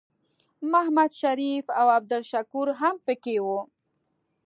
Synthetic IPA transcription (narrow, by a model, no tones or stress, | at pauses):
mahmad̪ʃaɾifawab̚d̪ʊlʃakuɾɦampəkewu